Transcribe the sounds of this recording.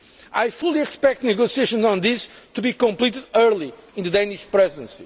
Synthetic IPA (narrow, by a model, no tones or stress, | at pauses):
ajfulˠiɛkspɛk̚t̪nɨɡosieʃɔ̃nzɔ̃nðist̪ubikɔ̃mplit̪ɨdɜɾlˠiĩnðɨd̪ẽj̃niʃpɾɛzidə̃nsi